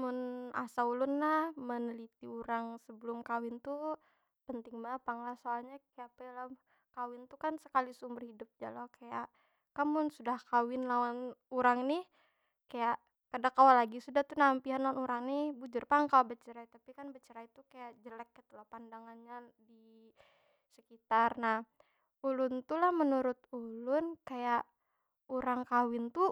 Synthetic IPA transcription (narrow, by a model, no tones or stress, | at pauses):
mʊnasaulʊnlahmənəlit̪iuɾaŋsəbəlʊmkawɪnt̪u | pənt̪ɪŋmapaŋlahsoalɲakajapela | kawɪnt̪ukansəkalisumbərhidʊp̚d͡ʒalɔhkajaʔ | kamʊnsudahkawɪnlawanuɾaŋnɪh | kajaʔ | kadakawalaɡisudaht̪unampiɦanlawanuɾaŋnibud͡ʒʊrpaŋkabət͡ʃəɾait̪apikanbət͡ʃəɾait̪ukajaʔd͡ʒəlɛk̚ːit̪ulahpandaŋanɲadi | səkit̪arnah | ulʊnt̪ulahmənuɾʊt̪̚ulʊnkajaʔ | uɾaŋkawɪnt̪u